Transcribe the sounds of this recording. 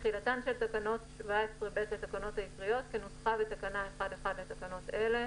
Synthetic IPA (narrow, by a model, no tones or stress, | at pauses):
χilatanʃelt̪akano̞tʃvaesʁebetlat̪akano̞thaikʁijo̞tkenosχavetakanaeχadeχadlet̪akano̞te̞le̞